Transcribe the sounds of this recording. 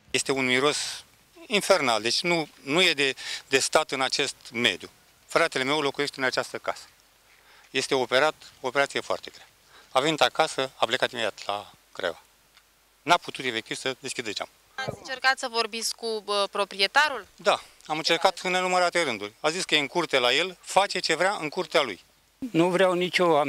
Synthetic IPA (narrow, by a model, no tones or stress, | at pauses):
je̞st̪e̞unmiɾo̞s | infe̞rnald̪e̞t͡ʃʲnunuje̞d̪ed̪e̞st̪at̪ɨnat͡ʃe̞st̪me̞̰d̪ju | fɾat̪e̞le̞me̞wlo̞kuje̞ʃt̪eɨnat͡ʃast̪əka̰sə̥ | je̞st̪e̞o̞pe̞ɾat̪ope̞ɾat̪sijefoa̰rt̪e̞ɡɾe | avenit̪akasəaplekat̪imejat̪la̰ | kɾḛva̰ | naput̪ut̪e̞fekt̪iv̥səd̪eskʲid̪et͡ʃa̰m | at̪sʲɨnt͡ʃerkat̪səvo̞rbit̪skkuəpɾopɾiet̪aɾuld̪aamɨnt͡ʃerkat̪ɨnenuməɾat̪e̞ɾɨnd̪urʲaziskəjeɨŋkurt̪elaje̞lfat͡ʃe̞t͡ʃe̞vɾʲaɨŋkurt̪ealuj | nuvɾeawnit͡ʃʲoam